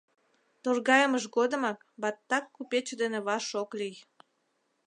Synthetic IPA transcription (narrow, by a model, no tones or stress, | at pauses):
t̪orɣɑjəməʃɣod̪ə̆mɑk | bɑt̪ːɑkːupet͡ɕd̪eneβɑʃoklij